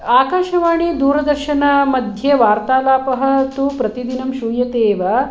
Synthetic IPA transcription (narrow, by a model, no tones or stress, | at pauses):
aːkaːʃɐʋaːɽ̃iːd̪uːɾɐd̪ɐɾʃɐnamɐd̪ʱjeʋaːɾt̪aːlaːpɐɦɐ̆t̪uːpɾɐt̪id̪inɐmʃuːjɐt̪eːʋa